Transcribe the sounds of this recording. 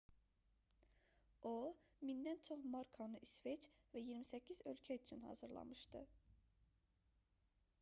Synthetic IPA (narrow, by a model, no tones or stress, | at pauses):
omind̪ænt͡ʃʰoχmɑɾkʰanɯʔisvet͡ʃvæjiɾmisæcʰːizø̞lcʰæyt͡ʃʰynhɑ̰zɯɾlˠɑ̰mɯʃd̪ɯ